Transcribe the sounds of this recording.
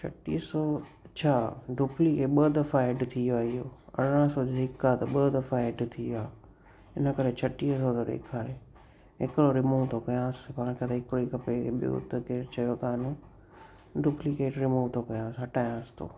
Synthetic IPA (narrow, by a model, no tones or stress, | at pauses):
t͡ʃʰɐ̰ʈḭːsot͡ɕʰaːɖuːplikeɓəːd̪əfaːeɖt̪ʰiaːijoːɐ̰ɽɽãsod͡ʑoɦɪkːat̪ɐɓəd̪əfaːeɖt̪ʰiaː | ɪnəkəɾet͡ɕʰɐʈiːsot̪ɐɗ̪ḛːkʰaːɾe | ɪkɽoɾɪmuːʋt̪ʰokɐjãːspaːɽ̃kʰet̪ɐɦɪkɽikɐpeɓjo̰ːt̪keːɾt͡ɕʰɐjokaːnũ | ɖuplikeːʈɾɪmuːʋt̪ʰokɐjãːsɦɐʈaːjãːsɪ̥t̪ʰo̰ː